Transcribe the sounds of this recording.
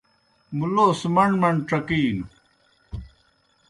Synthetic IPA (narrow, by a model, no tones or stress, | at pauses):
muloːsmɐɳmɐɳʈ͡ʂɐkiːnu